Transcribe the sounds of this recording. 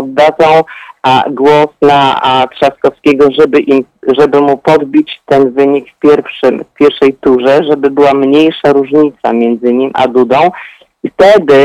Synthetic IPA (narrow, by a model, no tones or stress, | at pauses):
zd̪ad̪zɔ̃w̃ | ɡwɔsnat̪ʂaskɔfskʲɛɡɔʐɛbɘʔimʐɛbɘmupɔd̪̚bʲit͡ɕt̪ɛnvɘɲikfpʲjɛɾfʂɘmfpʲjɛɾfʂɛjt̪uʐɛʐɛbɘbɘwamɲejʂaɾuʐɲit̪sa̰mʲjɛnd̪zɘɲimʔa̰d̪ud̪ɔ̃w̃ | ift̪ɛd̪ɘ